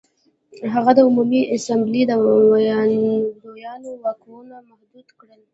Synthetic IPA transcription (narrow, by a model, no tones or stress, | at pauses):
ɦaɣad̪əʊmumiʔɪsamblid̪ə | d̪ojɑnowɑkonamahd̪ud̪kɽəl